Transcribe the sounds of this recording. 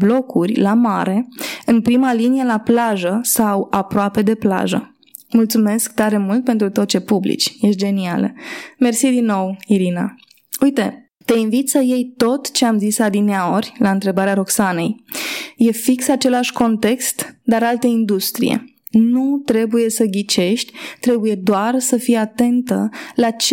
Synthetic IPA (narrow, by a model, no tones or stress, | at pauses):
blo̞kurʲlamaɾe̞ɨnpɾimalinijelaplaʒəsawapɾoape̞d̪e̞pla̰ʒə̰ | mult̪sume̞sk̚t̪aɾe̞mult̪̚pe̞nt̪ɾut̪o̞t̪̚t͡ʃe̞publḭt͡ʃʲje̞ʃt̪d͡ʒe̞nia̰lə̰me̞rsid̪inːo̞wiɾina̰ | ujt̪e̞ | t̪e̞invit̪səje̞jt̪o̞t̪t͡ʃe̞amzisad̪ineao̞rʲlaɨnt̪ɾe̞baɾeaɾo̞ksane̞jje̞fiksat͡ʃe̞laʃʲko̞nt̪e̞kst̪d̪aɾalt̪əind̪ust̪ɾḭjḛ | nut̪ɾe̞buje̞səɡʲit͡ʃe̞ʃt̪ʲt̪ɾe̞buje̞d̪oarsəfijat̪e̞nt̪əlat͡ʃ